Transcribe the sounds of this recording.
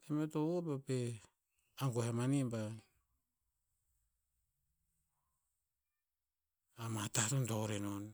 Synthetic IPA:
emetoobape | aŋɡohamanimba | amatatontoɾenon

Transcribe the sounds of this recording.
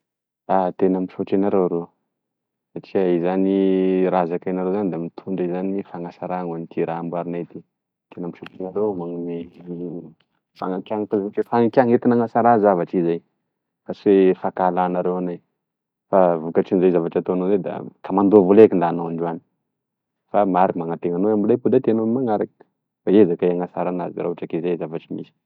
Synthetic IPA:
at̪enampi̥ʃoʈ͡ʂenaɾewaɾe | saʈ͡ʂiaizaniɾazakajnaɾewzand̪emit̪ʰuɳɖ͡ʐizanifaŋasaɾaŋanit̪iɾaambwaɾinajt̪i | t̪enampiʃot͡ʃenaɾewmaŋume | fa̰ŋakʲaŋak̪azeʈ͡ʂefaŋakʲaŋet̪inaŋasaɾazavaʈ͡ʂizaj | fasefakalanaɾewanaj | favukaʈ͡ʂinzajzavaʈ͡ʂat̪onozed̪a̰kamand̪ovolekind̪anoaɳɖ͡ʐani̥ | famaɾikmaŋat̪eŋanoamilepud̪at̪enomaŋaɾak | faezakaiaŋasa̰ɾana̰zḭɾaʈ͡ʂakezazavaʈ͡ʂimisi̥

